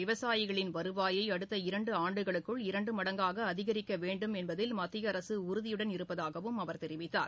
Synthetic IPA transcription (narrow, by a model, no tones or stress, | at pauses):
ɪʋɐsaːjɪɣɐɭɪnʋɐɾɯʋaːjɐɪɐɽɯt̪ːɐɪɾɐɳɖɯaːɳɖɯɣɐɭɯkːɯɭɪɾɐɳɖɯmɐɽɐŋɡaːɣɐːðɪɣɐɾɪkːɐʋeːɳɖɯmɛnbɐðɪlmɐt̪ːɪjɐɾɐsɯʊɾʊðɪjɯɽɐnɪɾɯpːɐðaːɣɐʋɯmɐʋɐɾt̪ɛɾɪʋɪt̪ːa̰ːɾ